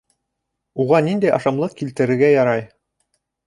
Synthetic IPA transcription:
uʁɑnind̪æjɑʃɑmlˠɤqkilt̪ɘ̆ɾɘ̆ɾɡæjɑɾɑj

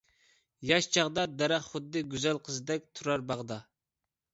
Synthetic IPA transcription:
jɑʃt͡ʃʰɑʁd̪ɑd̪ɛɾæχχʊd̪ːɨɡʲyzælqʰəzɨd̪ɛk̚ʲt̪ʰuɾɑɾbɑʁd̪ɑ

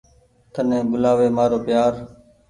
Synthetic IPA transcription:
t̪ənẽːɡʊlaːʋeːmaːɾoːpɪjaːɾ

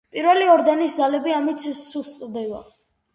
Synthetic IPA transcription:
pʼiɾvɛliɔɾd̪anisd̪zalɛbiamit̪ʰsust̪sʼd̪ɛva̰

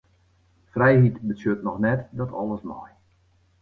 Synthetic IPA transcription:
frɛjhitbəsjøtnɔxnɛtdɔtʰɔlˠəsmɔj

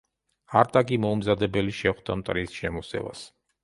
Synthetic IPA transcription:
aɾt̪ʼaɡimɔumzad̪ɛbɛliʃɛχd̪amt̪ʼɾisʃɛmɔsɛ̰va̰s

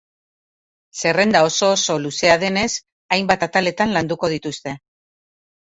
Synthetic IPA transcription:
se̞re̞nd̪ao̞so̞ːso̞luse̞aðe̞ne̞s | ajmbat̪at̪ale̞t̪anland̪uko̞ðit̪ust̪e̞

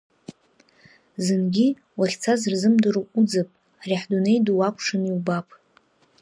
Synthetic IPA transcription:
zɨnɡʲi | waχʲt͡sʰazrzɨmdɨɾuud͡zɨpʼ | riħdune̞jduwakʷʰʂɨniwbapʰʼ

